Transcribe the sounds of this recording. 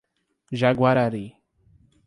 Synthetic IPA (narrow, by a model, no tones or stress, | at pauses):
ʒaɡwaɾaɾi